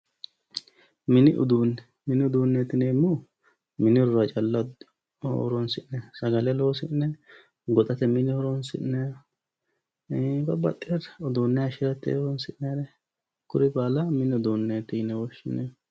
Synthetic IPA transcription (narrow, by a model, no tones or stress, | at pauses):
mɪnɪʔʊ̰d̪unɛ | mɪnɪʊd̪uːnːet̪ɪneːmːu | mɪnɪɾʊɾɐt͡ʃʼɐlːɐ | ɔ̰ɾɔnsɪʔnɛsɐɡɐlɛloːsɪnːɛ | ɡɔt̪ʼɐt̪ɛmɪnɪhɔɾɔnsɪ̰ʔnɛ | bɐbɐt̪ʼːɪɛrɔd̪uːnːɛɐʃɪɾɐt̪ːḛɾɔnsɪʔneːɾɛ | kʊɾɪbaːlɐmɪnɪɔd̪uːnːeːt̪ːɪnɛwɔʃːɪnːɛ